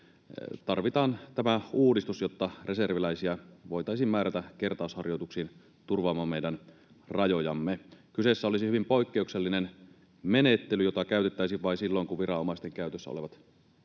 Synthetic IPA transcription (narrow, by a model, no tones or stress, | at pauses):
t̪ɑrʋit̪ɑːnt̪æmæuːdist̪usjot̪ːɑreserʋilæisiæʋoijt̪ɑisiːmmæːɾæt̪æke̞rt̪ɑˑushɑrjo̞jt̪uksiːn | t̪urʋɑːmːɑːmmeidæn | rɑjojɑmːekysesːæolisihyʋimpoikːeukselːinen | menet̪ːelyjot̪ɑkæˑyt̪et̪ːæisiʋʋɑisilːoiŋkuʋirɑomɑˑist̪eŋkæyt̪øsːæo̰leʋɑt̪